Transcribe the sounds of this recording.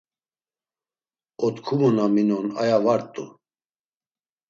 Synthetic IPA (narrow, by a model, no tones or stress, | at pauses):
ɔt̪kʰumunaminɔnajavaɾt̪ʼṵ